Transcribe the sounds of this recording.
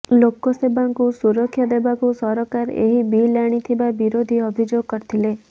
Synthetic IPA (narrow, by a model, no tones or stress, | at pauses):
lokɔsebaŋkusuɾɔkʰːjɔd̪ebakusɔɾɔkaɾḛɦibilaɽ̃it̪ʰibabiɾod̪ʱiɔbʱid͡ʒoɡɔkɔɾt̪ʰile